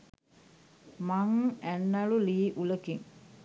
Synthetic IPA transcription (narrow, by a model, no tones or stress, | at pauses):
maŋænːaluliːʔuləkiŋ